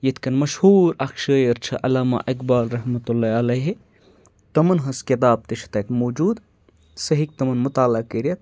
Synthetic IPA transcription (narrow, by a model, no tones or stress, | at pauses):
jɐt̪ʰkɐnmɐʃhuːɾɐkʃɐːjɐɾt͡ʃʰɐʔɐlaːma̰ʔɐkbaːlɾɐɦmɐt̪ulːaːɐlɐɦe | t̪ɐmɐnɦɐskɐt̪̬aːp̚t̪iʃʰt̪ɐkmoːd͡ʒuːd̪ | sɐɦik̚t̪ɐmɐnmut̪aːlɐkeɾiɐt̪̚